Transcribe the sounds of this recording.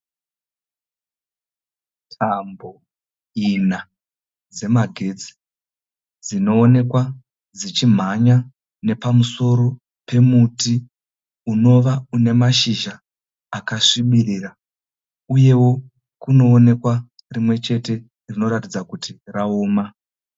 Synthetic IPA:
tʰambo̞ | ina | d͡ze̞maɡʱe̞d͡zi̥ | d͡zino̞ːne̞kwa | d͡zit͡ʃim̤aɲa | ne̞pamuso̞ɾo̞ | pe̞muti | uno̞ʋaune̞maʃiʒaː | kaʂiɓirira | uje̞wo̞ | kuno̞ːne̞kwa | rimwe̞t͡ʃe̞te̞ | rino̞ɾatid͡zakutiraoːma

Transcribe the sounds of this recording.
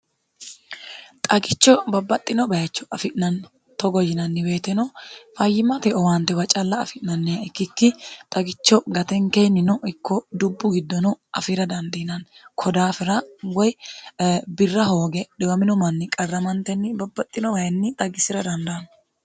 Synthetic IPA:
t̪ʼɐɡɪt͡ʃːɔbɐbːɐt̪ʼːɪnɔbɐjɐt͡ʃːɔʔɐfɪʔnɐn | t̪ɔɡɔjːɪnɐnːɪbe̞ːt̪ɛnɔfɐjːɪmɐt̪ɛʔɔwant̪ːɛwɐt͡ʃʼɐlːɐːfɪʔnɐnːɛɐɪkːɪkːɪt̪ʼɐɡɪt͡ʃːɔɡɐt̪ɛŋkejnɪnɔʔɪkːɔd̪ʊbːʊɡɪd̪ːɔnɔʔɐ̰fɪɾɐd̪ɐnd̪ɪnɐnkʰɔd̪aːfɪɾɐwɔj | bɪrːɐho̞ːɡɛd̪ɛwɐmɪnɔmɐnːɪkʼɐrːɐmɐnt̪ɛnːɪbɐbːɐt̪ʼːɪnɔbɐjɛnːɪt̪ʼɐɡɪsɪɾɐd̪ɐnd̪ɐnɔ

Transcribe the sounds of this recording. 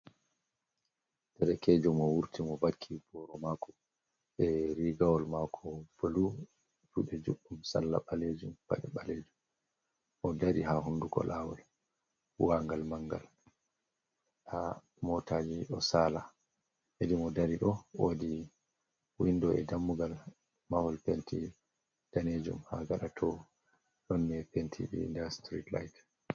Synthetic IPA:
tɛɾɛkɛːd͡ʒɔmɔwuɾtimɔbakʰːib̥ɔɾɔmakɔ | ɓɛɾiɡawɔlmakʰɔb̥olu | t͡ʃuɗɛd͡ʒuɗːumsa̰lːa̰ɓaled͡ʒumpa̰ɗɛɓaleːd͡ʒum | ʔɔdaɾiɦaɦundukɔ̰lawɔl | waŋɡalmaŋɡa̰l | ʔa | mɔtaːd͡ʒiɗɔsaːla | hedimɔdaɾiɗɔwodi | windɔɛdamːuɡal | mahɔlpentʰi | d̥aned͡ʒṵmha̰ɡaɗatʰɔ | nɔnːiɛpentʰḭɗḭndastɾitlajt

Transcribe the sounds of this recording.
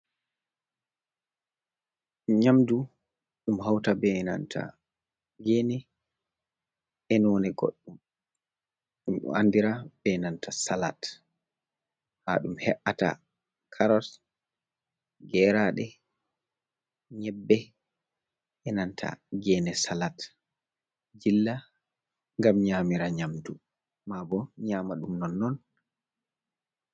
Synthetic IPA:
ɲamdu | ɗumɦawtabɛna̰ntʰa̰ | ɡɛːnɛ | ʔɛnɔnɛɡo̰ɗːum | a̰ndiɾabɛnantʰasala̰t | ha̰ɗumhɛʔata̰ | kʰaɾɔs | ɡɛɾaɗɛ | ɲɛbːɛ | ʔɛnantʰa̰ɡɛnɛsalat | d͡ʒilːa | ŋɡamɲamiɾaɲamtu | mabɔɲaːmaɗumnɔnːɔn

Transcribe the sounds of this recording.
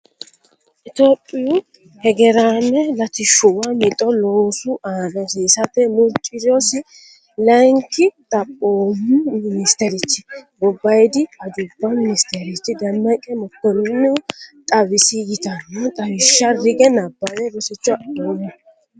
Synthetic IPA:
ʔɪt̪oːpʼːɪju | hɛɡɛɾanɛlɐt̪ɪʃʊwamɪt̪ʼɔloːsʊʔaːd̪ɐsiːsɐt̪ːɛmʊɾt͡ʃʼɪɾɔsɪ | lɐŋkɪt̪ʼɐpʼːoːmʊnɪst̪ɛɾɪt͡ʃːɪ̥bɔbːɐjd̪ɪɐd̪ʊbːɐmɪnɪst̪ɛɾɪt͡ʃːɪd̪ɐmːɐkʼɛmɔt̪ːɔnːɪt̪ʼɐwɪsɪɡɪt̪ɐnːɛt̪ʼɐwɪʃːɐrɪɡɛnɐbːɐwɛbɔsɪt͡ʃːʊadoːmʊ

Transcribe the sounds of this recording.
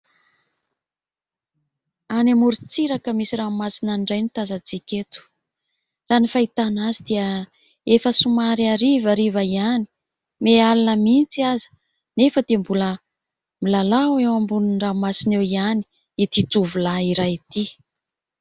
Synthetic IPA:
anemuɾit͡siɾakəmisiramasinanɖ͡ʐajnit̪azat͡sikʲet̪u̥ | ranifait̪anazid̪iə | efəsumaɾiaɾivaɾivaiani̥ | mealanəmint͡siazə̥ | nefət̪embulə | milalawewambuninramasinewiani̥ | it̪it̪uvulaiɾajit̪i

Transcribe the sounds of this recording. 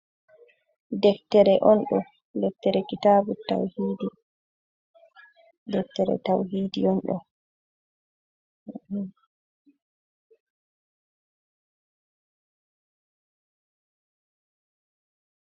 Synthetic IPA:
dɛktːɛɾɛʔɔnɗɔ | dɛk̚tːɛɾɛkitaːbuta̰whiːdi | dɛk̚tːɛɾɛ̰tawɦiːdḭɔnɗɔ̰ | h

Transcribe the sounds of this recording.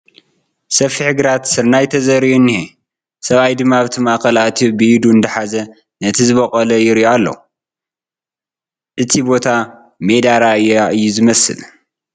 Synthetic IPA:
sɐfiħɨɡɾat̪sɨɾnajt̪ʰɐzɐɾiunːihe | sɐβajd̪ɨmːaβɨt̪ʰimakɐlaʔt̪ʰubɨjid̪und̪ɐħazɐ | nɐt̪ʰizɨβɐkʼɐlɐjɪɾʔoalːɐ̰ | ʔɨt̪ʰibo̞t̪ʰa | med̪aɾaɨjːaʔɨjːuzɨmɐsɨ̰l

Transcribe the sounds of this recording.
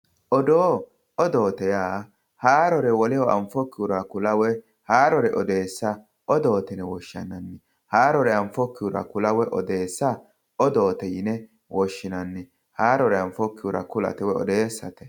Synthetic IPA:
ʔɔd̪oː | ɔd̪o̞ːt̪ɛjaː | haːɾɔɾɛwɔlɪjɔʔɐ̰ɱfɔkːɪʊɾɐkʊlɐwɛ | haːɾɔɾɛʔɔd̪eːsːɐ | ʔɔd̪oːt̪ɪnɛwɔʃɐ̰nːɐnːɛ | haːɾɔɾɛɐɱfɔkːɪjʊɾɐ̰kʊlɐwɛʔɔ̰d̪eːsːɐ | ɔd̪o̞ːt̪ɛjɪnɛ | wɔʃːɪnɐnːɛ | haːɾɔɾɛɐɱfɔkːɪjʊɾɐ̰kʊlɐ̰t̪ɛwɛɔ̰d̪eːsːɐt̪ɛ̥

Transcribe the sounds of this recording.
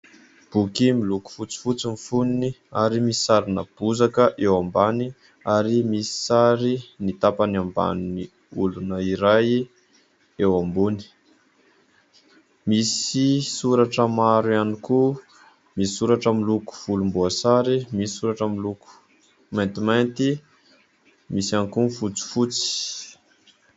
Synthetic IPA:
b̥ukimiluku̥fut͡si̥fut͡sinifuniniaɾimisi̥saɾinab̥uzakəʔewambani | aɾimisi̥saɾinit̪apaniamba̰nini | ulunəiɾaj | ewambuni̥ | misisuɾaʈ͡ʂəmaɾuaniku | misi̥suɾaʈ͡ʂəmiluku̥v̥ulumbuasaɾimisi̥suɾaʈ͡ʂəmiluku̥ | mant̪imant̪i | misiankunfut͡si̥fut͡si̥

